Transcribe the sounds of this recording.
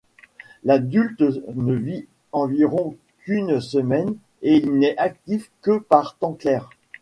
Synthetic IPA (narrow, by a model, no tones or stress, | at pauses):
lad̪ylt̪nəvi | ɑ̃viʁɔ̃ | kynsəmɛn | eilnɛʔak̚t̪ifkəpaʁt̪ɑ̃klɛʁ